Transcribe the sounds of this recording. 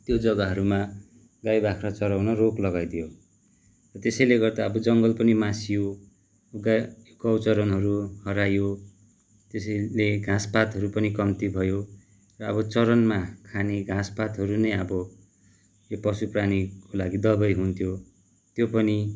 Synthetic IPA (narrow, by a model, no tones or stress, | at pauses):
t̪jod͡zʌɡaɦʌɾuma | ɡajbakʰrʌt͡sʌɾawnʌroklʌɡajd̪ijo | rʌt̪esʌjleɡʌrd̪aʌbʌd͡zʌŋɡʌlpʌnimasijo | ɡakʌwt͡sʌɾʌnɦʌɾuhʌɾajo | t̪esʌleɡʱãspat̪ɦʌɾupʌnikʌmt̪ibʱʌjo | rʌːbʌt͡sʌɾʌnmakʰaneɡʱãspat̪ɦʌɾunʌjʌbʌ | jopʌsupranikolaɡid̪ʌbʌjɦunt̪ʰjo | t̪jopʌni